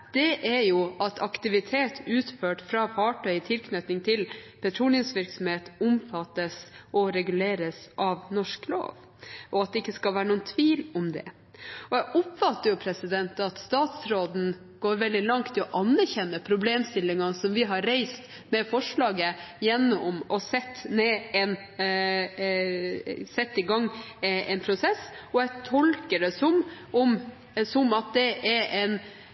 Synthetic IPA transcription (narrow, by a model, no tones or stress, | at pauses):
d̪̥ɛʔæɾjʊɑt̪ʰɑkt̪ɪʋɪt̪ʰeːt̪ʰʉːt̪føːʈfɾɑːfɑːʈʰœʏɪt̪ʰɪlkʰnœt̪ɪŋt̪ʰɪlpʰɛt̪ʰɾuːnɪənsʋɪɾksɔmheːt̪ʊmfɑt̪ːəsʔɔɾɛɡʉleːɾəsʔɑʋnɔʂklo̰ːʋ | ʔɔɑt̪̚d̪ɛɪkːəskɑlʋæːɾəɳuːənt̪ʰʋiːlɔmd̪ɛ̰ | ɔjæɪʔʊpfɑt̪ːəɾjʊpʰɾɛsɪd̪ɛnt̪ɑt̪st̪ɑːt̪sɾoːd̪n̩ | ɡ̥oːɾʋɛld̪ɪlɑŋkt̪ʰːɪɔʔɑnːæɾçɛnːəpʰɾʊbleːmst̪ɪlːɪŋɑnsɔmʋɪɦɑɾeɪst̪ | mɛfɔʂɭɑːɡəjɛnːɔmɔsɛt̪ːneːɛn | sɛt̪ːɪɡɑŋːʔɛɪnpʰɾʊsɛsɔjɛt̪ʰɔlkəɖɛsɔm | ɔm | sɔmɑt̪̚d̪ɛʔɛɾɛn